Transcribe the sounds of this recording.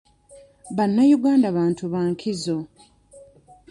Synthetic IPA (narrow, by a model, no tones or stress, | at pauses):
βanːajuɡaːndaβaːntuβaŋkʰizo̞